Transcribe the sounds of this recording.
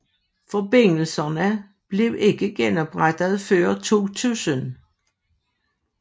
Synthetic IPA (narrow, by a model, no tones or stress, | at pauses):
fɒ̽b̥e̝n̰l̩sɐnə | b̥le̝ʊʔe̝ɡ̥əɡ̥enɒb̥ʁad̥ð̞̩ˠføɶːɐt͡sʰo̝̰ːt͡sʰṵːsən